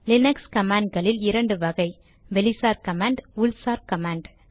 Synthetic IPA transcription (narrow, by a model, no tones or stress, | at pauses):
lɪnɐkskɐmaːɳɖ̚ɡɐɭɪlɪɾɐɳɖɯʋɐɣɐɪ | ʋɛlɪsaːɾkɐmaːɳɖʊlsaːɾkɐmaːɳɖ